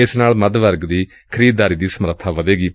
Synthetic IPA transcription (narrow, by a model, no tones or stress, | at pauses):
esnaːɭmɐd̪ʋɐɾɡd̪iː | kʰəɾiːd̪aːɾid̪iːsɐmɾət̪ʰaːʋɐd̪eːɡi